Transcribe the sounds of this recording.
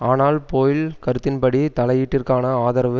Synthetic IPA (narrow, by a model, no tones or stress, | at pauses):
aːnaːlpoːjɪlkɐɾɯt̪ːɪnpɐɽit̪ɐlɐjiʈːɪrkaːnɐaːðɐɾɐʋɯ